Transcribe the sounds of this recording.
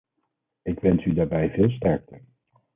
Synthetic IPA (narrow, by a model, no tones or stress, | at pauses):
ɪkʋɛnsydaːɹbɛjvɪːlˠs̬tɛɹk̚təɹ